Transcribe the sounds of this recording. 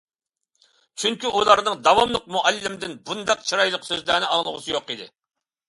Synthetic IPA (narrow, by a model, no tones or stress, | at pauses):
t͡ʃʰyŋkʲyʔulˠɑɾnɨŋd̪ɑwɑmlˠəq̚muʔælːɪmd̪ɪnbund̪ɑq̚t͡ʃʰiɾɑjlˠəqsøzlæːnɪɑŋlˠəʁʊ̰sɨjoqid̪ɪ̰